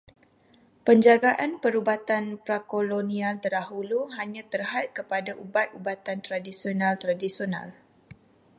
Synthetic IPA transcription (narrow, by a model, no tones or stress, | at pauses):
pəɲd͡ʒaɡaʔanpəɾubat̪anpɾakolonĩalt̪ərdaɦuluɦaɲãt̪ərhat̪̚kəpadaʔubat̪̚ubat̪ant̪ɾadisionãlt̪ɾadisiona̰l